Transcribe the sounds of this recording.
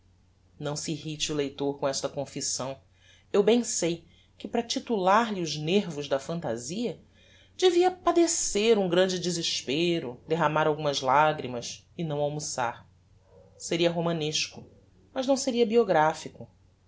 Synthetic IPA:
nɐ̃w̃siiɦit͡ʃiulejt̪oɾkõɛʃt̪ɐkõfisɐ̃w̃ | ewbẽj̃sej | kɪpɾɐt͡ʃit̪ulaɾliʊzneɾvʊzd̪ɐfɐ̃nt̪a̰ziɐ | d͡ʒeviɐpad̪eseɾũŋɡɾɐ̃nd͡ʒɪd͡ʒiziʃpeɾʊd̪eɦamaɾawɡũmɐzlaɡɾimɐs | ɪnɐ̃w̃awmusa̰ɾ | seɾiɐɦomɐ̃neʃkʊ | mɐʒnɐ̃w̃seɾiɐbioɡɾafikʊ

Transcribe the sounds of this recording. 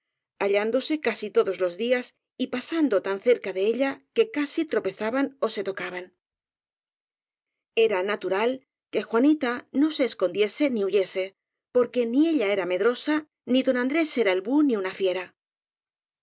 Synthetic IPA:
aʎand̪o̞se̞kasit̪o̞ðo̞zlo̞zðias | ipasand̪o̞t̪anθe̞ɾkaðe̞eʎake̞kasit̪ɾo̞pe̞θaβano̞se̞t̪o̞kaβan | e̞ɾanat̪uɾal | ke̞xwanit̪ano̞se̞ːsko̞nd̪je̞se̞niuʝe̞se̞ | po̞ɾke̞nie̞ʎae̞ɾame̞ðɾo̞sa | niðo̞nand̪ɾe̞se̞ɾaelβuniunafje̞ɾa

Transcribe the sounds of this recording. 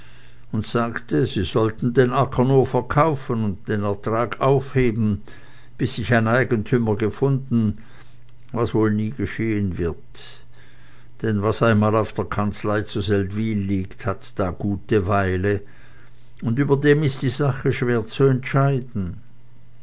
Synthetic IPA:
ʊntz̥aːktəziːzɔltn̩deːnakʰənuːɐfɛɐkʰaʊfənʊnt̚d̥eːnɛɐtʁ̥aːɡaʊfheːbn̩ | b̥ɪsːɪçaɪnaɪɡəntʰyməɡəfʊndn̩ | vasvoːlniːɡəʃeːənvɪɐt | d̥ɛnvasaɪnmaːlaʊfd̥eːɐkʰant͡slaɪt͡suzɛltv̥iːlːiːkthatd̥aːɡ̥uːtəvaɪlə | ʊndyːbɐdeːmɪst̚d̥iːzaχəʃv̥eːɐt͡suɛntʃaɪdn̩

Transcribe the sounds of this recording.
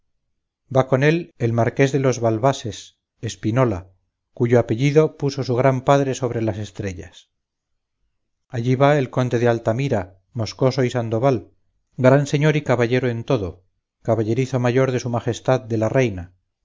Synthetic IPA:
bako̞ne̞le̞lmaɾke̞zðe̞lo̞zβalβase̞s | e̞spino̞la | kuʝoape̞ʎiðo̞puso̞suɣ̞ɾampaðɾe̞so̞β̞ɾe̞lase̞st̪ɾe̞ʎas | aʎiβae̞lko̞nd̪e̞ðealt̪amiɾa | mo̞sko̞so̞isand̪o̞βal | ɡɾanse̞ɲo̞ɾikaβaʝe̞ɾoe̞nt̪o̞ðo̞ | kaβaʎe̞ɾiθo̞maʝo̞ɾðe̞sumaχe̞st̪aðd̪e̞larejna

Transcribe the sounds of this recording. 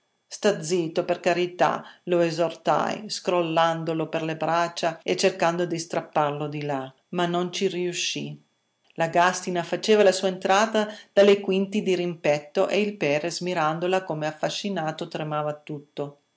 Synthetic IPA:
st̪ad̪zːiːt̪operkaɾit̪a̰loezort̪a̰jskɾolːand̪oloperlebɾat͡ʃːaet͡ʃːerkand̪od̪ist̪ɾapːarlod̪ila | manːont͡ʃiriuʃːi | laɡast̪inafat͡ʃeːvalasuːaent̪ɾaːt̪ad̪̥alekwint̪id̪iɾimpɛt̪ːoʔeilpɛːɾezmiɾand̪olakomeafːaʃːinaːt̪ot̪ɾemaːvat̪ut̪ːo

